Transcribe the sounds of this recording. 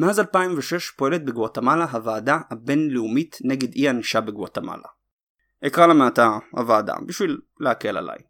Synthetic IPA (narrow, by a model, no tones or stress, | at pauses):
meazalpaimveʃe̞ʃpo̞e̞let̪̚beɡoat̪amalaɦavaːd̪ahabe̞nleumitne̞ɡe̞d̪ianiʃabeɡoat̪ama̰la̰ | ekʁalameat̪aha̰vaːd̪a̰biʃvilleakela̰la̰j